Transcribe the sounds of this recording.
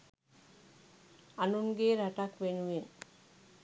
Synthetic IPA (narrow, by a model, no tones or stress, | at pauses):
anunɡeɾaʈakʋenuen